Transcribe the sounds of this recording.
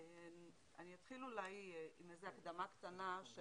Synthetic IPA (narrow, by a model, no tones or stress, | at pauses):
en | aniat̪χilulajimejzeakd̪amakt̪anaʃ